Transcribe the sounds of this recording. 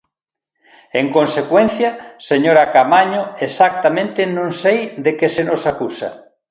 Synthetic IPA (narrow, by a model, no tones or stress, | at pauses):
eŋkonsekwẽnθjɐseɲoɾakamaɲoesak̚t̪amẽnt̪ɪnõŋsejd̪ekesenosakusɐ̰